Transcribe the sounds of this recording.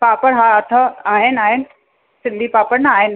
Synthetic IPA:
paːpəɽɦaːɐt̪ʰəaːɦɪnaːɦɪnɪ̆ | sɪ̃nd̪ʱipaːpəɽnɐaːɦɪn

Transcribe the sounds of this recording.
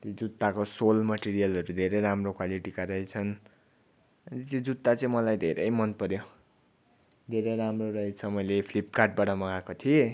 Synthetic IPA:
t̪jod͡zut̪ːakosolmʌʈiɾijʌlʌɾud̪ʱeɾejɾamrokwaliʈikaɾʌɦit͡sʰʌn | ʌnit̪jod͡zut̪ːat͡sʌ̃ĩmʌlajd̪ʱeɾʌjmʌnpʌɾjo | d̪ʱeɾejɾamroɾʌɦit͡sʰʌmʌjlepʰlipkaʈ̚baʈʌmʌɡakot̪ʰie

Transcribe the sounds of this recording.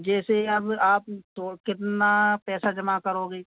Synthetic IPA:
d͡ʒɛːseɐbaːpt̪oːkɪt̪napɛːsad͡ʒɐmakəɾoːɡeː

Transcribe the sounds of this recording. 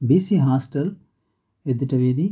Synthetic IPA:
bisiɦaːsʈɐl | ed̪ːiʈːɐʋiːd̪i

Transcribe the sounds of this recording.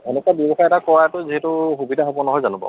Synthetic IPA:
ɛnɛkabjɔbɔxaɛtakɔɹaɛtʊziɦɛtʊxubidʱaɦobɔnɔɦɔjzanubɔ̰

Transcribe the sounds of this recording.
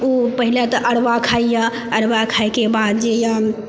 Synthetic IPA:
upəɦilat̪əʔəɽʋakʰaija | əɽbakʰajkebad̪d͡ʒejã

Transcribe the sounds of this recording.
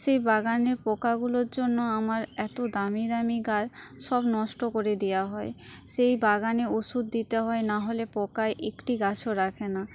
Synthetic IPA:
ʃejbaɡaneɾpɔkaɡuloɾd͡ʑonːoamaɾɛt̪od̪amiɾamiɡaɾ | ʃɔbnɔʃʈokoɾed̪ejaɦɔe | ʃejbaɡaneoʃud̪ːit̪eɦɔenaɦolepɔkaeʔekʈiɡat͡ɕʰoɾakʰena

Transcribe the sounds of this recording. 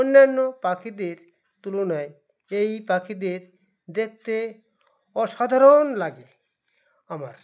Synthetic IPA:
onːanːopakʰid̪eɾ | t̪ulonae | ejpakʰid̪eɾ | d̪ek̚t̪e | ɔʃad̪ʱaɾonlaɡe | amaɾ

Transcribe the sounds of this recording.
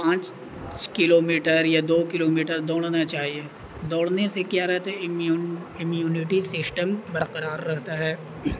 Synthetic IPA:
pãːt͡ʃ | t͡ʃkɪloːmiːʈəɾjad̪oːkɪloːmiːʈəɾd̪oːɽ̃nat͡ʃaːɦie | d̪oːɽnesekjaːɾɛɦt̪e | ɪmjuːnɪʈisɪsʈəmbəɾqəɾaːɾːɛɦt̪aɦɛː

